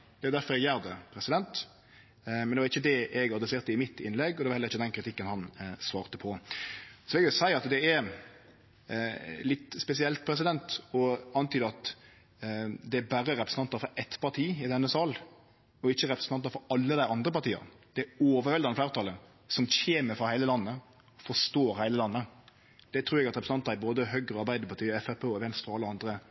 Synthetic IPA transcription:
d̪̥ɛæɑʊd̪æɾfɔɾɛɡjæːɾd̪əpʰɾɛsɪd̪ɛnt̪ | mɛnd̪ɛʋɑɾɪçːəd̪ɛʔɛɡɑd̪ɾəseːɾt̪əɪmɪt̪ːɪnlɛɡːɔd̪ɛʋɑɾhɛlːɾɪçːəd̪ɛnkʰɾɪt̪ʰɪkːənhɑnsʋɑːɾt̪əpʰɔ | sɔɛɡʋɛsæɪəɾɑt̪d̪ɛæɾ | lɪt̪spɛsɪɛlt̪̚pʰɾɛs̬ɪd̪ɛnt̪ɔɑnt̪yːd̪əɑt̪ | d̪ɛæbæɾəɾɛpɾəsn̩t̪ɑnt̪ɑfɔɾʔɛt̪pʰɑɾt̪ʰiːɪd̪ɛnːəsɑːl | ɔɪçːəɾɛpɾəsn̩ʰɑnt̪ɑfɔɾɑlːəd̪æɪɑnd̪ɾəpɑɾt̪ʰiːə̰ʁd̪̥ɛoːʋəɾhɛld̪ɑnflæːɾt̪ɑlə | sɔmçeːməfʁɑhæɪləlɑnːə | ɔfɔʂt̪oːɾhæɪləlɑnːə | d̪̥ɛt̪ʰɾʉːɾɛɡɑt̪ɾɛpɾsnɑnt̪ɑɾæboːd̪əɦœɡɾəɔɑɾbæɪd̪əɾpɑɾt̪iːɛfæpʰeːɔʋɛnst̪ɑɑlːəɑnd̪ɾə

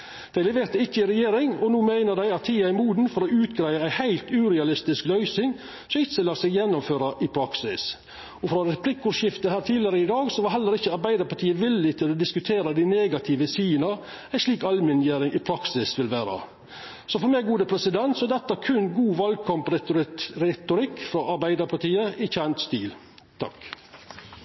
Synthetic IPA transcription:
d̪̥æɪlɛʋeːɾt̪əɪçːəɪɾɛjeːɾɪŋɔnuːmæɪnəɖ̪æɪɑt̪ʰːiːæɪmuːd̪n̩fɔɾɔʉːt̪ɡɾæɪəæɪhæɪlt̪ʉːɾɛɑlɪst̪ɪsklœʏsɪŋ | sɔmɪçəlɑːsɛjɛnːɔmføːɾɑʔɪpʰɾɑksɪ̰s | ɔfɾɑɾɛpʰlɪkːʊːʂjɪft̪əhæːɾt̪ʰiːlɪəɾəɪd̪ɑːɡsɔʋɑɾɦɛlːəɾɪçːəɑɾbæɪd̪əɾpɑʈʰiːəʋɪlːɪt̪ʰɪlɔd̪ɪskʉt̪ʰeːɾɑd̪ɪneːɡɑt̪ʰiʋəsiːənɑ | æɪʂɭiːkɑlmɪnjeːɾɪŋʔɪpʰɾɑksɪsʋɪlʋæːɾɑ̰ | sɔfɔɾmæɪɡuːd̪əpʰɾɛsɪd̪ɛnt̪sɔɛd̪ɛt̪ːəækʰʉnɡuːʋɑlɡ̚kʰɑmpɾɾɛt̪ʊɾɪkːfɾɑʔɑɾbæɪd̪əɾpʰɑʈiːəɪçænt̪st̪iːl | t̪ʰɑ̰k

